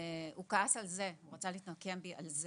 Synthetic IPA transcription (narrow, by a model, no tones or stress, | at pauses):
ukaasalze̞uʁat͡salit̪nokembiʔalz